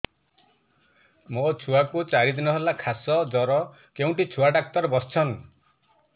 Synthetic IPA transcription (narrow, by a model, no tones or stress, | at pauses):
mot͡ʃʰuwakut͡ʃaɾid̪inɔɦelakʰasɔd͡ʒɔɾɔ | keũɳʈit͡ʃʰuaɖak̚t̪ɔɾbɔst͡ʃʰɔn